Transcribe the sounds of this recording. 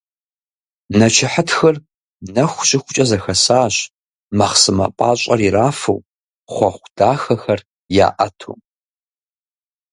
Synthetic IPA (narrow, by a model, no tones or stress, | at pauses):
nɐt͡ʃʰɪħətxɐr | nɐxʷɕʼɪxʷʊt͡ʃʼɐzɐxɐsaːɕ | maχsɨmɐ̰pʼaːɕʼɐriraːfɐ̰w | χʷɔχʷd̥aːxɐxɐr | ja̰ːʔɐ̰tʰṵː